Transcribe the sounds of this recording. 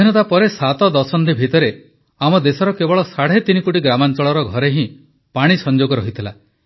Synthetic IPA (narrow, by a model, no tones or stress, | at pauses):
inɔt̪apɔɾesat̪ɔd̪ɔsɔnd̪ibʱit̪ɔɾe | amɔd̪esɔɾɔkebɔɭɔsaɽ̤et̪inikoʈiɡɾamant͡ʃɔɭɔɾɔɡʱɔɾeɦĩ | paɽ̃isɔnd͡ʒoɡɔɾɔɦit̪ʰila